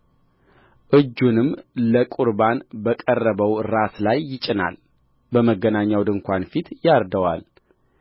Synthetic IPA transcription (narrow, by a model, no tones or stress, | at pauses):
ʔɨd͡ʒːunɨmləkʼuɾbanbəkʼərːəβəwɾaslajːɪt͡ʃʼːɪna̰l | bəməɡːənaɲːawd̪ɨŋkʷʰanfit̪jaɾd̪əwa̰l